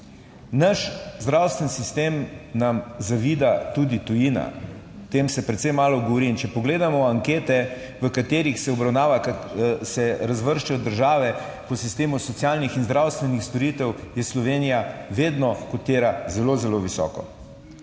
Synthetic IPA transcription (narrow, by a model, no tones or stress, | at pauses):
naʃzd̪ɾawst̪ʋɛnsist̪eːmnamzaʋiːd̪at̪ud̪it̪ujina̰ | t̪eːmsɛpɾɛt̪sɛjmaːlɔɡoʋoɾiːnt͡ʃɛpɔɡleːd̪amɔaŋkeːt̪ɛ | ʋəkat̪eːɾixsɛɔbɾawnaːʋasɛɾazʋəɾʃt͡ʃɛjɔd̪əɾʒaːʋɛ | pɔsist̪eːmusɔt̪sjalnixinzd̪ɾawst̪ʋɛnixst̪ɔɾit̪ɛwjɛslɔʋeːnijaʋeːd̪nɔkɔt̪eːɾazɛlozɛloʋisɔ̰ːkɔ̰